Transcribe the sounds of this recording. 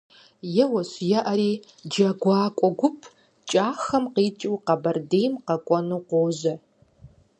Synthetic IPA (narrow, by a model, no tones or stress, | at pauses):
jɛwɐɕjɐʔɐɾiː | d͡ʒɐɡʷɑːkʷʼɔɡʷʊpʰ | t͡ʃʼaːxɐmqiːt͡ʃʼɪwqɐbɐrdeːjmqɐkʷʼɔnuːqʷoːzɐ